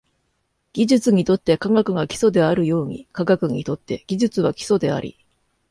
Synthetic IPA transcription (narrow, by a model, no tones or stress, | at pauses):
ɡ̥ʲiʑɨt͡sɨɲ̟it̪o̞t̪ːe̞kaɡakɯ̟ɡakʲi̥so̞d̪e̞aɾɯ̟jo̞ːɲ̟ḭkaɡakɯ̟ɲ̟ḭt̪o̞t̪ːe̞ɡ̥ʲiʑɨt͡sɨβ̞akʲi̥so̞d̪e̞a̰ɾʲḭ